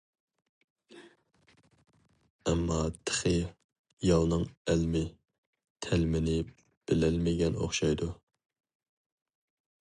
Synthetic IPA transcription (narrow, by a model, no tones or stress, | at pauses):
ɛmːɑt̪ʰə̥χɨ | jɑlˠnɨŋælmɪ | t̪ʰɛlmɪnɪ | b̥ɪlɛlmɪɡʲɛno̰χʃɑjd̪u